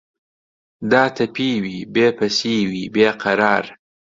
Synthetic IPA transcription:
d̪ɑːt̪apiwibepasewibeqaɾɑːɾ

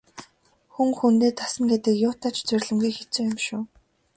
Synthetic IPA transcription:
xuŋxunt̪eːt̪ʰasə̆ŋɡet̪ɘ̆kjʊːt̪aːt͡ɕt͡sʊrʲɮɘ̆mɡujxet͡suːjʊmʃʊː

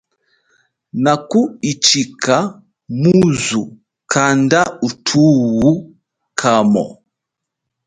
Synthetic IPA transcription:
nakuit͡ʃikʰa | muzu | kʰandautʰuwu | kʰamɔ̰

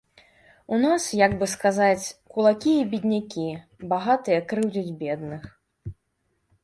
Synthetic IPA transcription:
unasjaɡbɨskazat͡sʲkulˠakʲiibʲid̪ʲnʲakʲi | baɣat̪ɨjɐkɾɨwd͡zʲud͡zʲbʲɛd̪nɨx

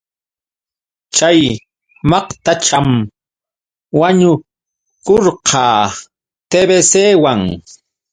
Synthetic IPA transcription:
t͡ʃaj | mɑqt̪at͡ʃam | waɲʊ | koɾqʰɑː | t̪ebeseːwaŋ

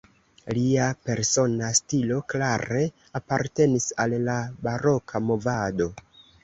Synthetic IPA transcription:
liape̞ɾso̞nastilo̞klaɾe̞ | apaɾte̞nisalːabaɾo̞kʰamo̞vado̞

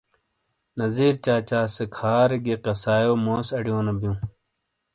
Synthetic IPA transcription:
nɐziːɾt͡ɕaːt͡ɕaːsekʰaːɾɡeqɐsaːjoːmoːsɐɽijoːnɐbjũː

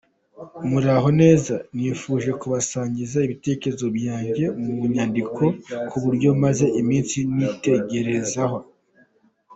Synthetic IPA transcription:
muɾaɦo̞ne̞ːzanifuːʒe̞kuβasaːɲɟizaiβite̞ceɾezo̞bjaːɲɟe̞mumuɲandikʰo̞kuβuɾɟo̞maze̞ʔimiːnsinite̞ɟe̞ɾe̞zaɦo̞

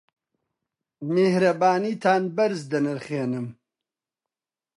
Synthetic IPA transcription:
mehɾɐbaːniːt̪ʰaːnbɐɾzd̪ɐnɨɾχeːnɨm

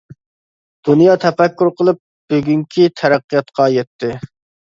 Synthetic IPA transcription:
d̪̥unjɑt̪ʰɛfɛkʲːuɾqʰəlˠɨp̚b̥øɡʲyŋkʲʰit̪ʰɛɾæqːijɑt̪qʰɑjɛt̪ʰːɪ

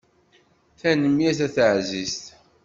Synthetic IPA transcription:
θænəmjæθæθəʕzist̪

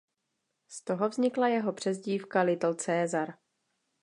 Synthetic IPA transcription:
st̪o̞ɦo̞vzɲɪklajɛɦo̞pr̝̥ɛzɟiːfkalɪt̪l̩t͡sɛːzaɾ

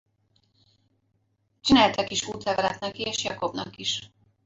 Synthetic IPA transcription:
t͡ʃinæːlt̪ɛkiʃuːt̪lɛvɛɾɛt̪nɛkieːʃjɒko̞bnɒ̰kiʃ

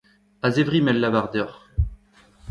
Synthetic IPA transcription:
azevʁimɛlːavaʁd̪œʁ

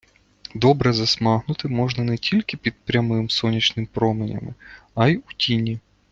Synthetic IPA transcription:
d̪ɔbɾɛzɐsmɑɦnʊt̪ɪmɔʒnɐnɛtʲilʲkɪpʲid̪̚pɾʲɐmɪmsɔnʲit͡ʃnɪmpɾɔmɪnʲɐ̰mɪ̰ɐjutʲinʲi

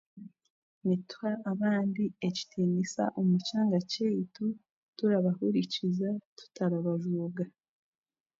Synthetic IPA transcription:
nitu̥haːβaːndieci̥tʰinisa̰ʔomut͡ʃaːŋɡacejitu | tuɾaβahuɾicizatu̥taɾaβaʒuːɡa

